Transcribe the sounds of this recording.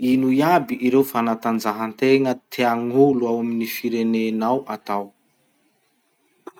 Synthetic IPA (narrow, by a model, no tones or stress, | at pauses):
inujabiʔiɾewfanat̪and͡zaɦant̪eŋət̪ʰeaŋuluawaminifiɾenenawʔat̪aw